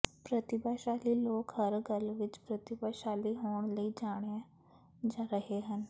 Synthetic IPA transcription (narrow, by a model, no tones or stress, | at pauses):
pɾət̪ɪbaːʃaːliloːkhəɾɡəlʋɪt͡ʃpɾət̪ɪbaːʃaːliɦoːɳ̃ləiːd͡ʒaːɽ̃eɛ̃ | d͡ʒãːɾəɦeɦən